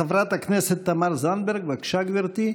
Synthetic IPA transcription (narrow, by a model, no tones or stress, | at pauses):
avɾat̪aknɛset̪ːamaɾzanbeɾɡveakʃaɡviɾt̪i